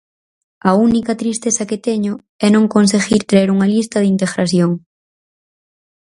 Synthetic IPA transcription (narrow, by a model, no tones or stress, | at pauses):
ɐunikɐt̪ɾist̪eθɐkɪt̪eɲʊ | ɛnõŋkonseɣiɾkɾeeɾuŋɐlist̪ɐðint̪eɣɾaθjoŋ